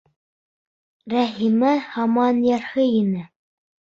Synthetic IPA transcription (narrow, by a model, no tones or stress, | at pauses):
ɾæɦimæhɑmɑnjɑɾhɤinɘ